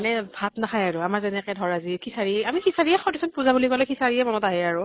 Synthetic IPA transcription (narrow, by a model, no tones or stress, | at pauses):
anɛbʱatnaxʰajaɹʊamaɹzɛnɛkɛdʱɔɹazikʰisaɹiamixisaɹiɛxɔɹtisɔnpuzabuliɡɔlɛkʰisaɹiɛmɔnɔtaɦɛaɹʊ